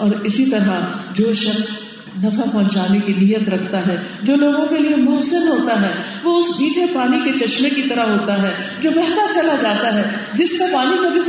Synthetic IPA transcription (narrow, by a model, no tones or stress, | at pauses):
ɔːɾɪsit̪ɐɾɦad͡ʒoːʃɐxs | nɐfãpɔ̃ɦɲt͡ʃaːnekinijət̪ɾɐkʰt̪aɦɛːd͡ʒoːloːɡõkeliemʊɦsənɦoːt̪aɦɛː | ʋoʊsmiːʈʰepaːniket͡ʃɐʃmekit̪ɐɾaɦɦoːt̪aɦɛː | d͡ʒoːbɛɦt̪at͡ʃɐlad͡ʒaːt̪aɦɛd͡ʒɪskapaːnikɐbʱi